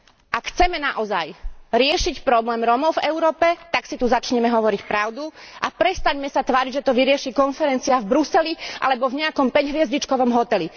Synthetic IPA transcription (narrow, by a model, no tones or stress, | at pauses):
ʔakxt͡sɛmɛnaʔɔza̰jɾɪɛʃicpɾɔblɛːmɾɔmɔʊvɛʊɾɔːpɛt̪aksit̪uzat͡ʃɲɛmɛɦɔʋɔɾicpɾaʊd̪uʔapɾɛst̪aɲmɛsat̪ʋaːɾiɟʒɛt̪ɔʋiɾɪɛʃiːkɔnfɛɾɛnt͡siavbɾusɛliʔa̰lɛbɔvɲɛakɔmpɛɟɦʋɪɛzɟit͡ʃkɔʋɔmɦɔt̪ɛli